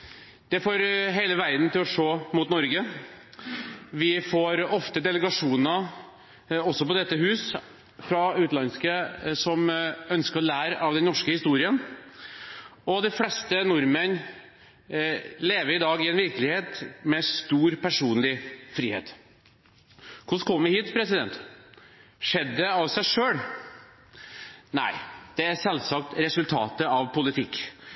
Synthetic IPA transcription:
d̪̥ɛfoːɾɦeɪləʋæɪd̪n̩t̪ʰɪlɔʂoːmʊt̪nɔɾɡə | ʋɪfoːɾɔft̪əd̪ɛləɡɑʂuːnə | ɔsːɔpɔd̪ɛt̪ːəɦʉːs | fɾɑʉːt̪lɑnskəsɔmœnskəɾɔlæːɾɑʋd̪ɛnnɔʂkəhɪst̪uːɾɪən | ɔd̪æɪflɛst̪ənʊɾmən | leːʋəɾɪd̪ɑːɡɪɛnʋɪɾklɪheːt̪mɛst̪uːɾpʰæʂuːnlɪfɾiːhḛːt̪ | kʰʊʂkʰɔmːəʋɪhiːt̪pʰɾɛsɪd̪ɛ̰nt̪ | ʂɛd̪ːəd̪ɛɑʋsæɪʂøːɽ | næ̰ɪd̪̥ɛæɾsɛlsɑk̚t̪ɾɛsʉlt̪ʰɑ̰ːt̪əɑʋpʰʊlɪt̪ʰɪkː

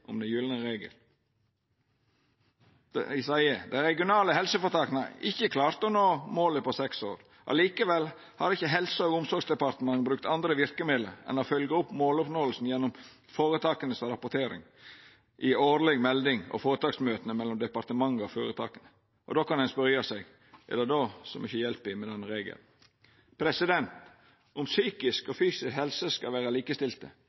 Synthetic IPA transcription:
ʔɔ̰md̪ɛjʉːlənəɾeːɡə̰l | ɪsɑɪəd̪æɪɾɛɡɪʊnɑːləɦɛlsəfɔɾt̪ʰɑːknəɪçːəkʰlɑːɾt̪ɔnoːmoːləpɔsɛkso̰ːɾ | ʔɑ̰liːkəʋɛl | hɑɾɪçːəɦɛlsəɔːɡʊmsɔɾɡsd̪ɛpɑɾt̪əmɑŋːbɾʉkt̪ɑnd̪ɾəʋɪɾkəmeːd̪lə̰ɾɛ̰nofœlɡəɔpːmoːlɔpnoːəlsn̩jɛnːɔm | foːɾət̪ʰɑːkənəsɾɑpʊɾt̪ʰeːɾɪ̰ŋ | ʔɪoːd̪lɛɡmɛld̪ɪŋɔ̰foːɾət̪ɑːksmøːt̪ənəmɛlːɔmd̪ɛpɑɾt̪əmɑŋːɔfoːɾət̪ʰɑ̰ːkənə | ʔɔ̰d̪oːkɑnd̪ɛnspɔɾjɑsɛɡ | ʔɛ̰lːəd̪oːsɔmʏçəjɛlpɪmɛd̪ɛnːəɾeːɡə̰l | pʰɾɛsɪd̪ɛnt̪ | ʊmsyːkɪskɔfyːsɪshɛlsəskɑʋæːɾəliːkəst̪ɪlt̪ə̰

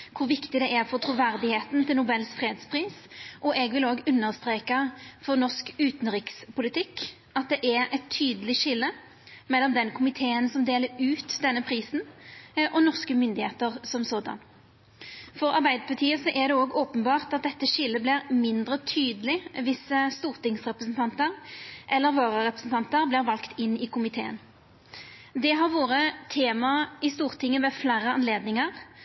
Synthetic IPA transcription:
kʰʊɾʋɪkt̪ɪd̪ɛʔæʁfɔt̪ʰɾuʋæʁd̪ɪheːt̪nt̪ʰɪlnʊbɛlːsfɾeːd̪spʰʁiːsʔɔʔɛɡʋɪloːɡʉnːəʁst̪ɾʁeːkɑfɔʁnɔskʉːt̪n̩ʁɪkspʰʊlɪt̪ʰɪkː | ɑt̪̚d̪ɛʔæɾɛt̪ʰːyːd̪əlɪʃɪlːə | mɛlːɔmd̪ɛnkʰʊmɪt̪ʰeːənsɔmd̪eːləɾʉːt̪d̪ɛnːəpʰʁiːsn̩ʔɔnɔʁskəmʏnd̪ɪheːt̪əʁsɔmsoːd̪ɑ̰n | fɔʁɑʁbæɪd̪əpʰɑt̪ʰiːəsɔʔæʁd̪ɛoːɡoːpənbɑːʁt̪ɑt̪̚d̪ɛt̪ːəʃɪlːəblɪʁmɪnd̪ɾət̪ʰyːd̪əlɪʋɪsəst̪uːʁt̪ɪŋsʁɛpʁəsnt̪ʰɑnt̪əʁʔɛlːəɾʋoːʁəʁɛpʁəsn̩t̪ɑnt̪əɾblɪʁʋɑlkt̪ɪnːɪkʰʊmɪt̪ʰeːə̰n | d̪ɛɦɑʁʋoːʁət̪ʰeːmɑɪst̪uːʁt̪ʰɪŋːəmɛflæːɾəɑnleːd̪nɪŋəʁ

